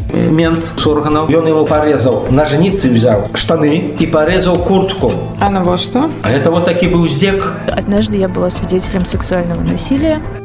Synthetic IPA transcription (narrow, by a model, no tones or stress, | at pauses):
mʲɛnt̪sɔrɣɐnɐwjɔnjamupaɾɛzɐwnɐʐnʲit̪sɨwzʲawʂt̪anɨipaɾɛzɐwkurt̪ku | anɐvɔʂt̪ɔaɣɛt̪ɐvɔt̪ːakʲibɨwzʲd͡zʲɛka̰d̪naʐd̪ɨjabɨlˠasʲvʲid͡zʲet͡sʲɪlʲɐmsɨksualʲnɐvɐnasʲilʲɪjɐ